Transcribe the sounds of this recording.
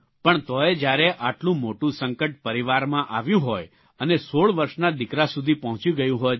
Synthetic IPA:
pəɳt̪ɔed͡ʒjaɾeʔaʈlũmoʈũsə̃ŋkəʈ̚pəɾiʋaɾmãʔaʋjũɦɔj | ənesoɭʋəɾʃnad̪ikɾasud̪ʱipəɦɔ̃t͡ʃiɡəjũɦɔj

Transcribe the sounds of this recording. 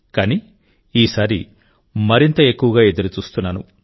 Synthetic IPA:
kaːni | iːsaːɾi | mɐɾint̪ɐe̞kːuʋɐɡaːe̞d̪ɐɾut͡ʃuːst̪unːaːnu

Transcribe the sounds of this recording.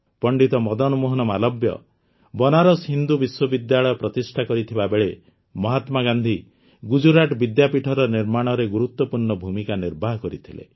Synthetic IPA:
pɔɳɖit̪ɔmɔd̪ɔnumuɦɔnɔmalɔbjɔ̰ | bɔnaɾɔsɦind̪ubiswɔbid̪jaɭɔjɔpɾɔt̪isʈʰakɔɾit̪ʰibabeɭe | mɔɦat̪maɡand̪ʱi | ɡud͡ʒuɾaʈbid̪japiʈʰɔɾɔniɾmaɽ̃ɔɾeɡuɾut̪wɔpuɾɳɔbʱumikaniɾbʱaɦkɔɾit̪ʰilḛ

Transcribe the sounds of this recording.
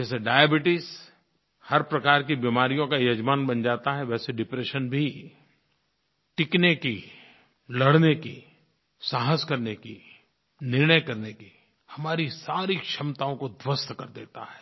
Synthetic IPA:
d͡ʒɛːseɖaːjebɪʈɪs | hɐɾpɾɐkaːɾkibimaːɾijõkajɐd͡ʒmaːnbɐnd͡ʒaːt̪aɦɛʋɛːseɖɪpɾeːʃənbʱi | ʈɪkneki | lɐɽnekḭ | saːɦəskɐɾneki | nɪɾnəjkɐɾneki | hɐmaːɾisaːɾikʃɐmt̪aːõkod̪wəst̪kɐɾd̪eːt̪a̰ɦɛː

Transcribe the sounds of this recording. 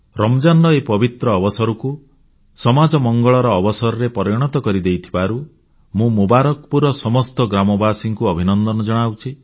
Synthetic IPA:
ɾɔmd͡ʒanɖɔepɔbit̪ɾɔːbɔsɔɾɔku | sɔmad͡ʒɔmɔŋɡɔɭɔɾɔːbɔsɔɾɔɾepɔɾjɔɽ̃ɔt̪ɔkɔɾid̪ejt̪ʰibaɾu | mũmubaɾɔkpuɾɔsɔmɔst̪ɔɡɾamɔbasiŋkuɔbʱinɔnd̪ɔnɔd͡ʒɔɽ̃awt͡ʃʰi

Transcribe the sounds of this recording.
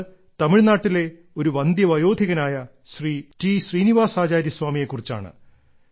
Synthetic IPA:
t̪ɐmiɻnaːʈːile̞ | o̞ɾuʋɐnd̪jɐʋɐjo̞ːd̪ʱiɣɐnaːjɐ | ɕriːtiːɕriːniʋaːsaːd͡ʑaːɾjɐswaːmije̞kːurit͡ɕːa̰ːɳɨ̰

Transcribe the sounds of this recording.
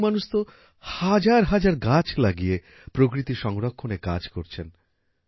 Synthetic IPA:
manuʃt̪o | had͡ʑaɾɦad͡ʑaɾɡat͡ɕʰlaɡije | pɾokɾit̪iʃɔŋɾokʰːoneka̰d͡ʑkoɾt͡ɕʰen

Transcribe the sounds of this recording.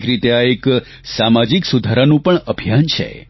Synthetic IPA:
kɾit̪eaek | samad͡ʒiksud̪ʱaɾanũpəɳəbʱijant͡ʃʰḛ

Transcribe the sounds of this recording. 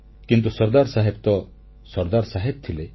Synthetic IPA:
kint̪̬usɔɾd̪aɾsaɦebt̪ɔ | sɔɾd̪aɾsaɦeb̚t̪ʰile

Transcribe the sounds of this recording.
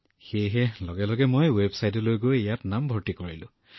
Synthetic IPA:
xejɦɛlɔɡɛlɔɡɛmojwebsajtɔlojɡojejatnambʱɔɹtikoɹḭlʊ̰̃

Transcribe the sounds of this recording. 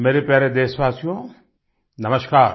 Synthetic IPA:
meːɾepjaːɾed̪eːsʋaːsijõ | nɐməʃkaːɾ

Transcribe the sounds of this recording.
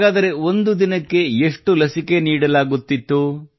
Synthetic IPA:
ɡaːd̪ɐɾe̞o̞nd̪ud̪inɐkːe̞eʂʈulɐsike̞niːɽɐlaːɡut̪ːit̪ːu

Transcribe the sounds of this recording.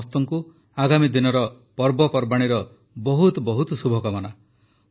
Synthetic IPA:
st̪ɔŋku | aɡamid̪inɔɾɔ | pɔɾbɔpɔɾbaɽ̃iɾɔ | bɔɦut̪bɔɦut̪ɔsubʱɔkɔmɔna

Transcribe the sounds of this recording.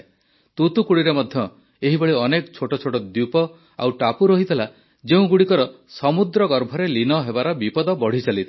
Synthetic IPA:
t̪ut̪ukuɽiɾemɔd̪ʱjɔ | eɦibɔɭiɔnekɔt͡ʃʰoʈɔt͡ʃʰoʈɔd̪upɔ | a̰wʈapuɾɔɦit̪ʰela | d͡ʒeũɡuɽikɔɾɔ | sɔmud̪ɾɔɡɔɾbʱɔɾelinɔɦebaɾɔbipɔd̪ɔbɔɽ̤it͡ʃalit̪ʰ

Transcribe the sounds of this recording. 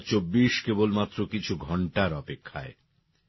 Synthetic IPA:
ɾt͡ɕobːiʃkebolmat̪ːɾokit͡ɕʰuɡʱɔɳʈaɾɔpekʰːae

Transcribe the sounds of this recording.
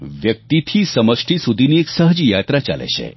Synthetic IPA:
ʋjək̚t̪it̪ʰiːsəməʂʈʰisud̪ʱinieksəɦd͡ʑijat̪ɾat͡ɕa̰lḛɕḛ

